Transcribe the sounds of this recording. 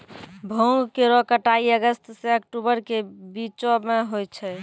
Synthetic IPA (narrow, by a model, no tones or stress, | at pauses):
bʱoŋɡkeɾɔkəʈaiəɡəst̪seəkʈubəɾkebit͡ʃomeɦojt͡ʃʰɛ